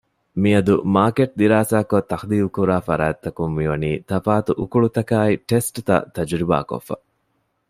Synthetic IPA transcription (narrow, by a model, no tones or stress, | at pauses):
miɐd̪umaːkeʈ̚d̪iɾaːsaːkot̪ːɐxd̪iːʋukuɾaːfɐɾaːt̪ːɐkumːiʋɐniːt̪ɐfaːt̪uʔukuɭut̪ɐkaːiʈesʈt̪ɐ̰t̪ɐd͡ʒɾiba̰ːko̰fːɐ̰